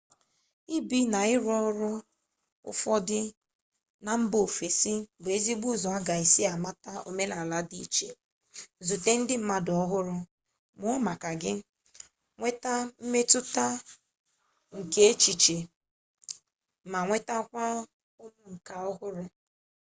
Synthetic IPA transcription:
i˦bi˦na˨ɪ˦ɾɔ˦ɾʊ˦ | ʊ̰˦fɔ˦dɪ˦ | na˨m̩˦bo˨fe˨si˦ɡ͡be˦zi˦ɡ͡bu˦zɔ˨a˦ɡa˨i˨si˦a˨ma˦ta˦o˨me˦la˨la˦di˦t͡ʃe˨ | zu˨te˦n̩˦dɪ˦m̩˦ma˦dɔ˦ɦʊ˦ɾʊ˦ | mʊ˦ɔ˦ma˨ka˨ɡɪ˦ | ŋʷe˦ta˦m̩˦me˦tʊ˦ta˦ | ŋ̩˨ke˦e˦t͡ʃi˨t͡ʃe˨ | ma˨ŋʷe˦ta˦kʷa˦ | ʊ˦lʊ˦ŋ̩˨ka˨ɔ˦ɦʊ˦ɾʊ˦

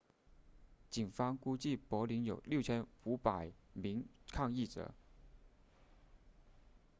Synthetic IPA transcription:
t͡ɕi˨˩nfɑ˥ŋku˥t͡ɕi˥˩pwɔ˧˥li˧˥njo˨˩ʊljo˥˩ʊt͡ɕʰjɛ˥nu˧˥pa˨˩ɪmi˧˥ŋkʰɑ˥˧ŋi˥˩ʈ͡ʂɤ̰˧˥˦

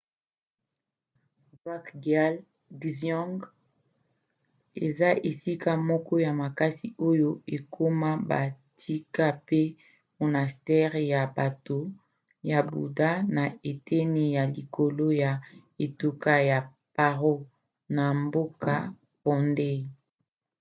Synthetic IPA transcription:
va˦kdja˦l | ɡzɔ̃˦ŋɡ | ḛ˨za˦ʔe˨si˦ka˦mɔ˦kɔ˦ja˨ma˨ka˦si˨o˦jo˦e˨kʰo˦ma˦ba̰˨tʰi˦ka˦pe˦ | mo˨na˨stɛ˦ʁja˨ba˨to˨ | ja˨bṵ˨da˦na˨e˨tʰɛ˦ne˨ja˨li˨kʰo˨lo˦ja˨ | e˨tu˦ka˦ja˨ | pa˨ʁo˦ | na˨mbo˦ka˦ | pɔ˨nde˦

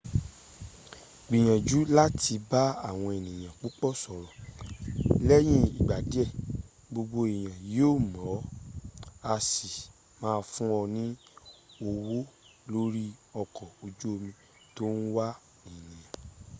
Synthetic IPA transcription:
ɡ͡bi˨j̃ã˨d͡ʒu˨˦la˦ti˧ba˦a˦˨w̃ɔ̃˧e˨nĩ˨j̃ã˨k͡po˦k͡pɔ˦˨sɔ˨ɾɔ˨ | lɛ˦j̃ĩ˦i˨ɡ͡ba˨di˨˦ɛ˦˨ | bo˧ɡ͡bo˧e˨j̃ã˨joː˦˨mɔ̃˨˦ | a˧si˨ | mãː˦˧fũ˦ɔ˧nĩ˦ | o˧wo˦ | lo˦ɾi˦ɔ˧kɔ˨o˧d͡ʒu˦o˧mĩ˧ | to˦n̩˦wa˦ | i˨nĩ˨jã˨

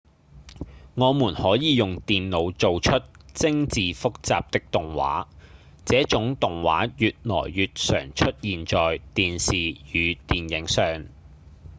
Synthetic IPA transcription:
ŋɔː˨˧muː˨˩nhɔː˨˥jiː˨˧jʊ˨ŋt̪iː˨nlo˨˧wt͡so˨wt͡ʃʰɵ˥t̚t͡sɪ˥ŋt͡siː˨fʊ˥k̚t͡sa̰ː˨p̚t̪ɪ˥k̚t̪ʊ˨ŋwa̰ː˨˥ | t͡sɛː˨˥t͡ʃʊ˨˥ŋt̪ʊ˨ŋwa̰ː˨˥jyː˨t̚lɔ̰ː˨˩jːyː˨t̚sœ̰ː˨˩ŋt͡ʃʰɵ˥t̚jiː˨nt͡ʃɔː˨jt̪iː˨nsiː˨jyː˨˧t̪iː˨njɪ˨˥ŋsœː˨˩ŋ

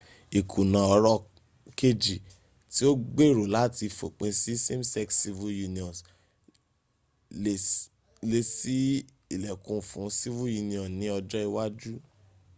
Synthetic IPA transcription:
i˨kʰu˨nã˨ɔ˧ɾɔ˦ | ke˦d͡ʒi˨ | ti˦o˦ɡ͡be˦˨ɾo˨la˦ti˧fo˨k͡pẽ˧si˦se˦m˦sɛ˦ksi˧vu˦ju˧nĩ˨ɔ̃˨s | le˧si˦ | i˨lɛ˨kũ˨fũ˨˦si˦vu˦ju˧nĩ˧ɔ̃˨nĩ˨˦ɔ˧d͡ʒɔ˦i˧wa˦d͡ʒu˦

